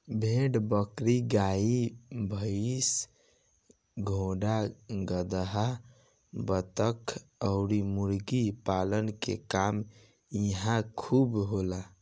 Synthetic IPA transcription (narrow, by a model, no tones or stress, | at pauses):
bʱeɽbəkɾiɡaibʱəs | ɡʱõɖaɡəd̪əɦa | bət̪əkʰəʊɾimuɾɡipalənkḛkam | iɦãkʰubɦola